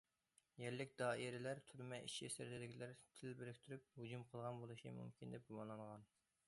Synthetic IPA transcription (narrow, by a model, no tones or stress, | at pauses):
jɛɾlɪk̚ʲd̪ɑːiɾɪlæɾt̪ʰyɾmɛʔḭʃisɪ̰ɾd̪ɪd̪ɪɡʲilæɾt̪ʰɪlbɪɾɪkʲt̪ʰyɾyp̚hud͡ʒumqʰəlˠʁɑnbolˠuʃḭmṵmkʲʰind̪ɛp̚ɡumɑnlˠɑɴʁɑn